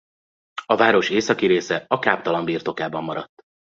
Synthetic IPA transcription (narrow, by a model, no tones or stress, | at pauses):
ɒvaːɾo̞ʃeːsɒkiɾeːsɛɒkaːpt̪ɒlɒmbiːrt̪o̞kaːbɒmːɒɾɒt̪ː